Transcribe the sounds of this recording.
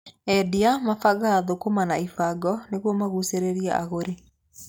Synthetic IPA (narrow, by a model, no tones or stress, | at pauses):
ɛdiamafaɣaːðokomanaifaɡɔneɣwɔmaɣuseɾeɾiɛʔa̰ɣoɾe